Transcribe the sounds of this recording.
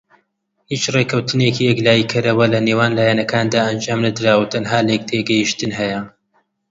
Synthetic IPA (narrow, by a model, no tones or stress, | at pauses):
hiːt͡ʃreːkʰɐwt̪ʰɨnekiːjɛklaːjikʰɐɾɐwɐlɐnewaːnlaːjanɐkʰaːnd̪aːʔɐnd͡ʒaːmnɐd̪ɨɾaːwut̪ʰɐnɦaːlek̚t̪ʰeɡɐjiʃt̪ɨnɦɛjɐ